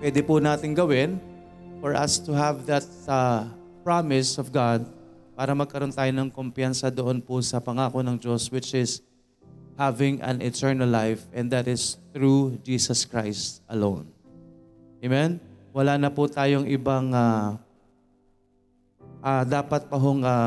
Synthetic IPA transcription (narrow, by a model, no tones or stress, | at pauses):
pwɛd̪ɪpunaːt̪ɪŋɡɐwɪn | fɔɹʔɐ̰st̪uɦɐvðɐt̪̚a | pɹamɪsɔvɡad̪̚ | paːɾɐmɐɡ̚kɐɾo̞nt̪aːjonɐŋkompjansɐd̪oʔonpʊsɐpɐŋaːkonɐŋd͡ʒoswɪt͡ʃɪs | havɪ̃ŋʔɐ̰̃nɪt̪ɛɹnɐlːajfɛnd̪ɐt̪ɪsθɹud͡ʒiːsɐskɹajst̪̚ɐlõ̰wn | emɛnwɐlaːnɐput̪aːjoŋʔɪbaŋa | ʔad̪aːpɐt̪̚pɐɦoŋa